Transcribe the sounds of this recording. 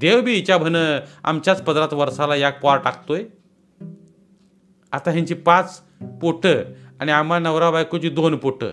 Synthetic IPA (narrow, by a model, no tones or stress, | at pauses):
d̪ewbʱiːt͡ɕabʱənəa̰mt͡ɕjat͡spəd̪ɾat̪ʋəɾsalajak̚paɾʈakʰt̪oj | a̰t̪aɦjaɲt͡ɕipat͡s | poʈʰəːaɽ̃iamanəʋɾabajkot͡ɕiːd̪onpoʈʰə̰ː